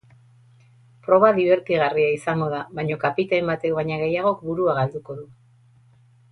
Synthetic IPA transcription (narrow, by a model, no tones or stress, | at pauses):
pɾo̞βaðiβe̞ɾkiɣariaisaŋɡo̞ðaβajɲo̞kapit̪aembat̪eβaɲaɣ̞e̞jaɣ̞o̞k̚buɾuaɣald̪uko̞ðu